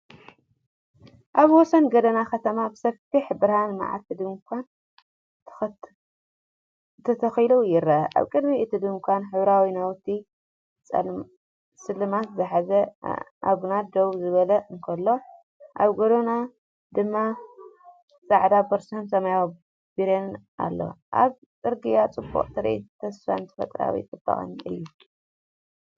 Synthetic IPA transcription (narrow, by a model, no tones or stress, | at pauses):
ʔaβwɔsɐnɡɐd̪ɐnakɐt̪ʰɐmabɨsɐfiħbɨɾhanma̰ʕa̰t̪ʰːɨd̪ɨkʰʷanʰ | t̪ʰɐt̪ʰɐxilujɪɾɐa̰βkʼɨd̪miʔɨt̪ʰid̪ɨŋkʰʷanħɨβɾawinawt̪ʰːi | sɨlɨmat̪zɨħazɐʔa̰ɡunad̪owzɨβɐlɐɨŋkʰɐlːo̞ | ʔaβɡoɾona | d̪ɨmːa | sʼaʕd̪abɐɾsonsɐmajaw | biɾenʔa̰lːo̞̰ʔa̰β | t͡sʼɨɾɡɨjat͡sʼɨbːo̰χʼt̪ʰɨɾḛt̪ʰɐsfa̰nt̪ʰɐ̥fɐ̰t̪ʼɾa̰wḭt͡s̪ʼɨb̥ːɐ̰χʼɨ̰nʔɨ̰jːu